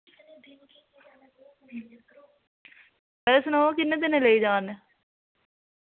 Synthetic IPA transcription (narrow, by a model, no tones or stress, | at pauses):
bɛsnaːkɪnːẽːt̪̬ɪnẽleiːd͡ʒaːne